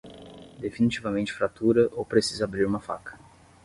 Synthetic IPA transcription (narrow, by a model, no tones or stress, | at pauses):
d̪efinit͡ʃivɐmẽnt͡ʃɪ̥fɾat̪uɾɐʔowpɾesizɐabɾiɾũmɐfa̰kɐ̥